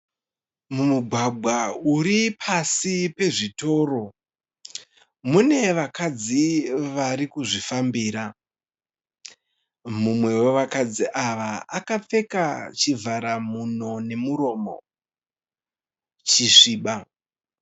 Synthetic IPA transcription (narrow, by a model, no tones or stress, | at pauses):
mumuɡʱwaɡʱwauɾipʰasipe̞ʐito̞ːro̞ | mune̞ʋakad͡ziʋaɾikuʐifambiːɾa | mumwe̞we̞ʋakad͡ziʔaʋaakap͡fe̞kat͡ʃivʱaɾamun̤one̞muɾo̞ːmo̞̰ | t͡ʃiʂiːɓa